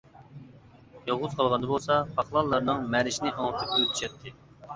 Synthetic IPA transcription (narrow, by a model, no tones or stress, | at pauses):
jɑʁʊz̥qʰɑlˠʁɑnd̪ɑbolˠsɑpʰɑχlˠɑlˠːɑɾnɨŋmæɾɪʃinɪʔɑŋt̪ʰɪpyt̪ʰy̥ʃɛt̪ʰːɪ